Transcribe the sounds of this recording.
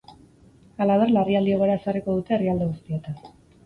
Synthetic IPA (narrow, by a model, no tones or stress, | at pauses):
alaβ̞eɾlariald̪io̞ɣoɾae̞sariko̞ðut̪e̞ːriald̪e̞ɣust̪iet̪an